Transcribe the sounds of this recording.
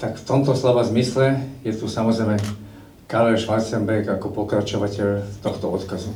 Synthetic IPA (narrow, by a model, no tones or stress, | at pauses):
t̪akft̪ɔmt̪ɔslɔʋazmislɛjɛt̪usamɔzɾɛjmɛ | kaɾlɛʃʋasɛmbɛɾkakɔpɔkɾat͡ʃɔʋacɛʎt̪ɔxt̪ɔɔt̪kazu